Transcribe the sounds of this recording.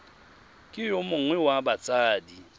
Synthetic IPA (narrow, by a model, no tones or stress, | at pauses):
kʼɪjomʊŋwɛwabat͡sʼaːdi